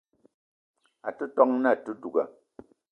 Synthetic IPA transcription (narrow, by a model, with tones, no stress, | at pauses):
a˨tu˦tɔ˦ŋna˦a˨tu˦du˨ɡa˨